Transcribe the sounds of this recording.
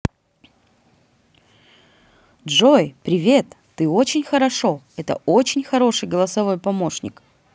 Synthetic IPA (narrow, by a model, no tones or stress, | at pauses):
dʐojpɾʲɪvʲe̞t̪ːɨot͡ɕɪnʲxəɾɐʂo̞ | ɛt̪ə̰ot͡ɕɪnʲxɐɾo̞ʂɨjɡəlˠəsɐvo̞jpɐmo̞ʂnʲɪ̰k